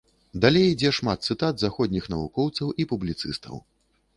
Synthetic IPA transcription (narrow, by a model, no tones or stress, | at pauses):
d̪alʲejd͡zʲɛʂmat̪̚t̪sɨt̪at̪zaxɔd̪ʲnʲixnɐvṵkɔwt̪sɐwʔipublʲit̪sɨst̪ʰɐ̰w